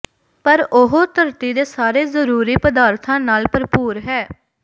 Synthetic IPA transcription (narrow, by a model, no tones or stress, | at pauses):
pəɾʊɦoːt̪əɾt̪iːd̪eːsaːɾeːzəɾuːɾiːpəd̪aːɾt̪ʰãːnaːlpəɾpuːɾɦɛː